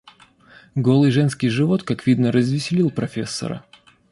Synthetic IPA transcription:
ɡo̞lˠɨjʐɛnskʲɪjʐɨvo̞t̪kakvʲid̪nəɾəzvʲɪsʲɪlʲilˠpɾɐfʲesːə̰ɾə̰

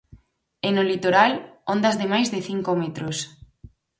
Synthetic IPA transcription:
enolit̪oɾalond̪ɐzðemajzðeθiŋkomet̪ɾos

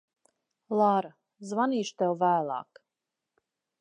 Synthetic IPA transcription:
lˠaɾa | zvaniːʃt̪ɛwvæːlˠa̰ːk

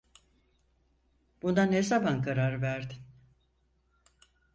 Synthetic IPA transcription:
b̥und̪anhesabankʰaɾaɾvæɾd̪ɪn

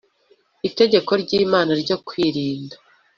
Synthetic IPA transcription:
ite̞ɟe̞ko̞ɾɟiːmaːnaɾɟo̞kwiːɾiːndḁ

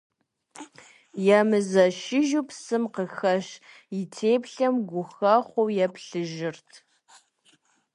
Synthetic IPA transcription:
jamɨzɐʃɪʒupsɨmqəxɐɕ | jɪtʰeːpɬɐmɡʷʊxɐχʷowjɛpɬɨʒɪrtʰ

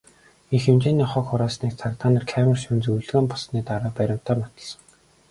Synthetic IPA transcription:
ixemt͡ɕeːniːχɔxχʊɾaːsniːk̚t͡sʰakt̪aːnə̆ːrkʰæːmə̆rʃʊnt͡sujɮɣeːmpɔsniːt̪aɾəːpæɾʲɪ̆m̥t̪ʰæːmɔt̪ə̆ɮsə̆ŋ

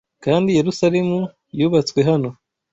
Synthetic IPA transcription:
kaːndije̞ɾusaɾe̞mu | juːβat͡swe̞ɦano̞

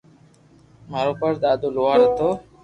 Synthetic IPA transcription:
maːɾoːpəɾd̪aːd̪oːloːaːɾət̪oː

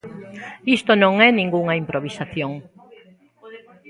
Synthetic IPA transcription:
ist̪onõŋɛnĩŋɡuŋɐimpɾoβisaθjoŋ

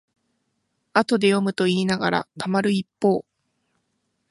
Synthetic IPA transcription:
at̪o̞d̪e̞jo̞mɯ̟t̪o̞iːnaɡaɾa̰t̪amaɾɯ̟ipːo̞ː

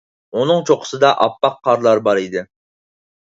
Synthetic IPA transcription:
unɨŋt͡ʃʰoqʰə̥sɨd̪ɑʔɑpːɑqʰːɑɾlˠɑɾbɑɾid̪ɪ

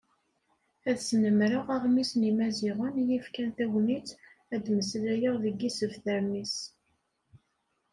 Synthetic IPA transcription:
æðsnəmɾəʁaʁmisnimæziʁənjifkænθæwnit͡s | æd̪məslæjəʁðəɡisəvθæɾmis

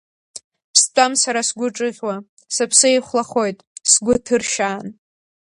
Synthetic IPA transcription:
pʰstʼamsaɾasɡʷʊʈ͡ʂʼɨʁʲwa | sɨpʰsɨeχʷlaχo̞jtʼsɡʷʊtʰɨrʃaːn

